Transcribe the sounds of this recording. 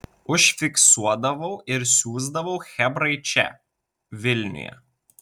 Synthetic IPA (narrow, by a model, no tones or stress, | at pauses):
ʊʃʲfʲɪksuɔd̪ɐʋɐʊɪɾsʲuːzd̪ɐʋɐʊxʲɛbɾɐɪt͡ʃʲɛ̰ | ʋʲɪlʲnʲʊ̰jɛ̰